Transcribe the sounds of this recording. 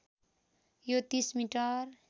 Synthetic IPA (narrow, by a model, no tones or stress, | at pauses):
jot̪ismiʈʌr